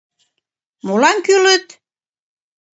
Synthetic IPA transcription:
molɑŋkylət̪

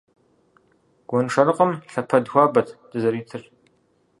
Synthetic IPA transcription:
ɡ̥ʷɔnʂɐɾɨqʼɐmɬɐpʰɐdxʷaːbɐtʰd̥ɨzɐɾiːtʰɨr

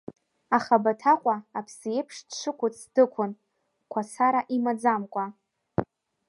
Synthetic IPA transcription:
aχabatʰaqʷʼaːpʰsijejpʰʂdʂʷʰɨkʷʰʊt͡sʰdɨkʷʰʊn | kʷʰasaɾaʔimad͡zamkʷʼa

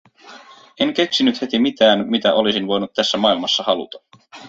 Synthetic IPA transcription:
e̞ŋk̟e̞ksinyt̪he̞t̪imit̪æːnmit̪æʔo̞lisinʋo̞jnut̪t̪ːæsːæmɑilmɑsːɑhɑlṵt̪ɑ̥

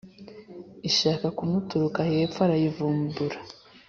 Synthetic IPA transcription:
iʃaːkakumutuɾukajeːpfwaɾajivuːmbuɾḁ

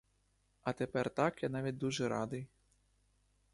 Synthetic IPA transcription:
ɐt̪ɛpɛrt̪akjanavʲit͡s̚ʲd̪uʐɛɾad̪ɨj

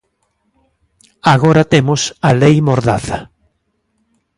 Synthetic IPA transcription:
aɣoɾɐt̪emʊsalejmoɾðaθɐ

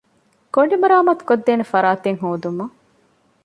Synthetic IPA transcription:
koɳɖimɐɾaːmɐt̪u̥kod̪ːeːnefɐɾaːt̪eŋɦoːd̪umɐ

